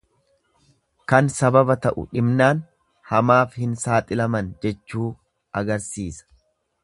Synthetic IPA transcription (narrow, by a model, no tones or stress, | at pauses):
kɐnsɐbɐbɐt̪ɐʔʊ̰ᶑɪbnaːn | hɐmaːfhɪnsaːt̪ʼɪlɐmɐnd͡ʒɛt͡ʃːuː | ɐɡɐɾsiːsɐ̥